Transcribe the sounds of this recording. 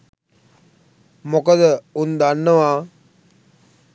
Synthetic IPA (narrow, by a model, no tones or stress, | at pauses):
mokəd̪əund̪anːəʋaː